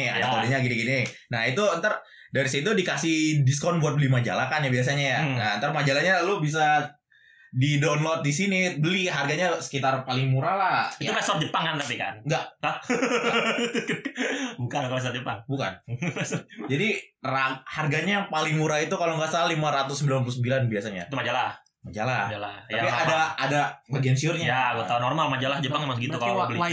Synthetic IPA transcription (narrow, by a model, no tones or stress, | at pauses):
a̰dat̪odaɲaɡiniɡininahit̪uənt̪ar | daɾis̬it̪udikasɪhdiskɔnbuat̪̚bəlimad͡ʒa̰lakanjabias̬aɲajanaənt̪armad͡ʒalaɲalʊbis̬a | didonlɔt̪̚disinibəliɦarɡaɲasə̥kit̪arpalɪŋmuɾalahiukasɔt̪̚d͡ʒəpaŋkant̪apika̰nŋɡaʔə | bukanakapas̬ɔt̚d͡ʒəpaŋbuka̰nsd͡ʒadiraharɡaɲapalɪŋmuɾait̪ukaloŋɡaʔsallimaɾat̪ʊsəmbilanpulusəmbilanbiasaɲa̰it̪umad͡ʒala | mad͡ʒalad͡ʒalaapiadaadabaɡiansiʊrɲajaɡuat̪aunɔrmalmad͡ʒalahd͡ʒəpaŋɛmaŋsɡiukalabəla